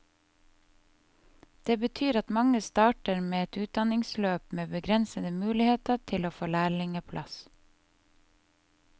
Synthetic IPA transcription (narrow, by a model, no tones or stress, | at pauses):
d̪̥eːbət̪ʰyːɾɑt̪mɑŋəst̪ɑːʈəɾmeːɛt̪ʉːt̪̚d̪ɑnɪŋsløːpmeːbəɡɾɛnsəd̪əmʉːlɪheːt̪ət̪ʰɪloːfoːlæːɭɪŋəpʰlʔɑs